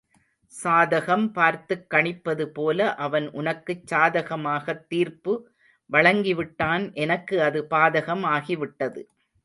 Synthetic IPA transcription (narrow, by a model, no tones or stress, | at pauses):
saːðɐɣɐmpaːɾt̪ɯkːɐɳɪpːɐðɯpoːlɐʔɐʋɐnʔʊnɐkːɯt͡ʃːaːðɐɣɐmaːɣɐt̪ːiːɾpɯ | ʋɐɭɐŋɡɪʋɪʈːaːnʔɛnɐkːɯɐðɯpaːðɐɣɐmaːɣiʋɪʈːɐðɯ̰